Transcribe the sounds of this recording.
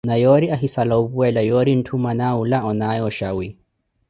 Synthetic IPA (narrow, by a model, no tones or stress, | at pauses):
najɔɾiaɦisalauβuwɛlajɔɾin̩tʰumanaulaɔnajɔʃawi